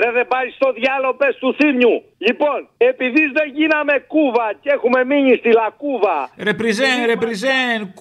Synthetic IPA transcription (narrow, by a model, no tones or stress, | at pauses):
ɾeðebɐɾist̪o̞ðʝɐlo̞pest̪uθimɲu | ʎipo̞ne̞piðizðe̞ʝinɐme̞kuvɐce̞xume̞miɲist̪ilɐkuvɐɾepɾizeɾepɾizen